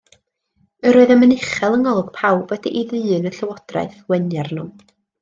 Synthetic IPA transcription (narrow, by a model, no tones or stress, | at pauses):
əɾoɨðamənɪχɛlˠənɔlˠɡ̥pʰawb̥wɛdiʔiðɨːnəɬəwɔd̥ra̰ɨθwɛnjarnʊm